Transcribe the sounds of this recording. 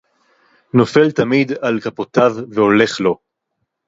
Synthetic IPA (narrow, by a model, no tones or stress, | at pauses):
no̞felt̪amid̪alkapot̪avːeo̞le̞χlo̞